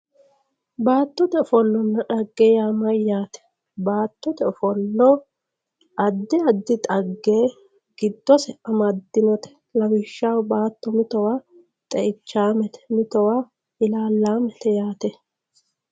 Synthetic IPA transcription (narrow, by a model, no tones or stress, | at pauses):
baːt̪ːɔt̪ɛɔfɔlːɔnːɐᶑɐɡːeːjaːmɐjjaːt̪ɛ̥ | baːt̪ːɔt̪ɛɔfɔlːɔ | ʔɐd̪ːɪɐd̪ːɪt̪ʼɐɡːeː | ɡ̥ɪd̪ːɔsɛʔɐmɐd̪ːɪnɔt̪ɛ̥ | lɐwɪʃːawbaːt̪ːɔmɪt̪ɔwaː | t̪ʼɛʔɪt͡ʃːaːmɛt̪ɛ̥mɪt̪ɔwaː | ɪlaːlːaːmɛt̪ɛjaːt̪ɛ